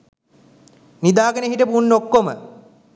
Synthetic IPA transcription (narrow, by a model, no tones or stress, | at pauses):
nid̪aːɡəneɦiʈəpunːokːomə